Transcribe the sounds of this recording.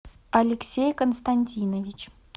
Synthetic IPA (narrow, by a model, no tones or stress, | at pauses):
ɐlʲɪksʲejkənst̪anʲtʲinəvʲit͡ɕ